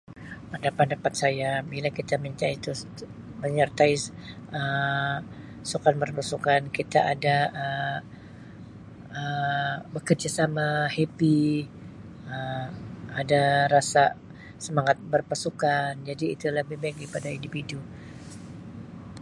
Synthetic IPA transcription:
pəndapadapat̪̚sajabilakit̪amiɲt̪ait̪u | məɲərt̪aɪ | ə | sukanbərpasukankit̪aʔadaə | əbəkərd͡ʒasamahepi | ə | adaɾasa | səmaŋat̪̚bərpasukand͡ʒadiːt̪ulahbɪhbaɪk̚dipadaindifidu

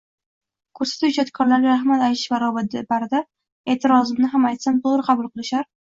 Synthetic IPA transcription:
kʰɵɾsḁt̪ʊt͡ʃɒt̪kʰɒɾlaɾɡʲaɾahmat̪ajɪʃvaɾɒbad̪baɾd̪a | eːt̪ʰɪɾɒzɪmnɪɦamajt̪sant̪oʁɾɨqʰɑbʊlˠqɨlˠɪʃaɾ

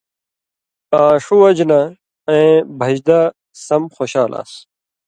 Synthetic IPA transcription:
aːʂuwɐd͡ʑnɐ | ẽbʱɐd͡ʑd̪ɐ | sɐmxoɕaːla̰ːs

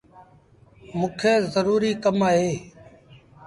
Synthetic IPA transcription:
mũːkʰeːzəɾuːɾiːkəmaːɦeː

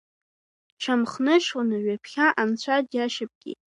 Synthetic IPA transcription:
ʈ͡ʂʰamχnɨʃonaɥapʰχʲaʔant͡ɕʷʰadjaʃɪp̚ʼɡ̥ʲḭtʼ

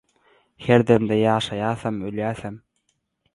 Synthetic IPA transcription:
heɾd̪emd̪ejɑːʃɑjɑːθɑmøljæːθæm

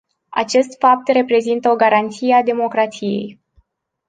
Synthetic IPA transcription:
a̰t͡ʃe̞st̪fap̚t̪re̞pɾe̞zint̪əo̞ɡaɾant̪siead̪e̞mo̞kɾat̪sije̞̰j

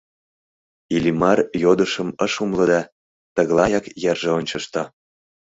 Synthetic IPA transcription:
ilimɑrjod̪əʃəməʃumlɤ̆d̪ɑ | t̪əɣlˠɑjɑkjærʒeonʲt͡ɕəʃt̪o

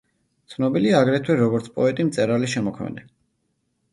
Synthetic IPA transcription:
t̪sʰnɔbiliaːɡɾɛt̪ʰwɛɾɔɡɔɾt̪sʰpʼɔɛt̪ʼimt̪sʼɛɾaliʃɛmɔkʰmɛ̰nɛ

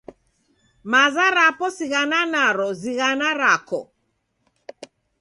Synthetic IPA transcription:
mazaɾapɔsiɣananaɾɔziɣanaɾakɔ

